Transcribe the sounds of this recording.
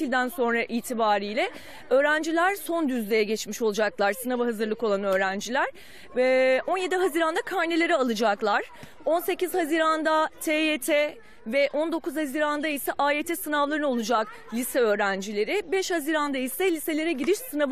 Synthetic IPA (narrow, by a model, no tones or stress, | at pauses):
ilʲd̪ænso̞nɾaʔiːt̪ʰibaːɾiːjlʲɛ | ø̞ːɾænd͡ʒilʲæɾso̞nd̪yzlʲejɛɟɛt͡ʃmiʃo̞lˠud͡ʒaklˠaɾsɯnavaɦazɯɾlˠɯko̞lˠanø̞ːɾænd͡ʒilʲæɾ̥ | o̞nje̞d̪iɦaziɾand̪akʰaɾnelʲe̞ɾialˠɯd͡ʒaklˠaɾ̥ | o̞nse̞ciz̥haziːɾand̪at̪ʰeet̪ʰɛ | vɛʔo̞nd̪o̞kuz̥haziːɾand̪aisɛʔaet̪ʰɛsɯnavlˠaɾɯnɯolˠud͡ʒak | lʲisɛø̞ːɾænd͡ʒilʲe̞ɾɪbɛʃhaziːɾand̪aisɛlʲise̞lʲe̞ɾɛɟiɾiʃsɯnav